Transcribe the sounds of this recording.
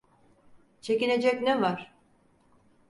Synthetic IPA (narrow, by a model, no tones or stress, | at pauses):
t͡ʃʰe̞cine̞d͡ʒɛcnɛvaɾ̥